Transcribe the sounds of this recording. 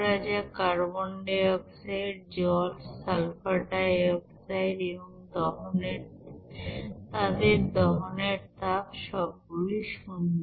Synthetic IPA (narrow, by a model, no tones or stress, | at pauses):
ɾad͡ʑakaɾboɳɖeɔbsaeɾd͡ʑɔlsalpaʈaeɔbsaeɾeboŋd̪ɔɦoneɾ | t̪ad̪eɾd̪ɔɦoneɾt̪apʃɔb̚ɡuliʃund̪